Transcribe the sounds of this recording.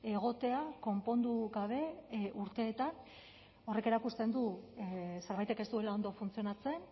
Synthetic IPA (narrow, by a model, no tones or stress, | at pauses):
e̞ɣ̞o̞t̪e̞ako̞mpo̞nd̪uɣaβ̞e̞ʔuɾt̪e̞ːt̪an | o̞re̞ke̞ɾakust̪e̞nd̪u | seɾβajt̪e̞ke̞st̪ue̞lao̞nd̪o̞funt͡sio̞nat͡se̞n